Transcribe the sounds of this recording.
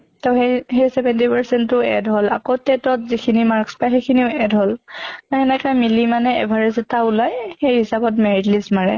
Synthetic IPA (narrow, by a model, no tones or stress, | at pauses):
tɛʊxeɦejsɛbɛntipaɹsɛntːʊɛ̰dɦola̰kotɛtɔtzikʰinimaɹkspajxejkʰiniʊɛdɦolkaɛnɛkamilimanɛɛ̰bʱaɹɛzɛtaulajxejɦisabɔtmeɹitlismaɹɛ̰